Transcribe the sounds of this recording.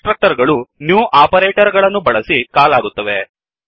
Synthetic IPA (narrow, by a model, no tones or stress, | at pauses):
ʈɾɐk̚ʈɐɾɡɐɭunjuːʔaːpɐɾeːʈɐɾɡɐɭɐnːubɐɭɐsikaːlaːɡut̪ːɐʋe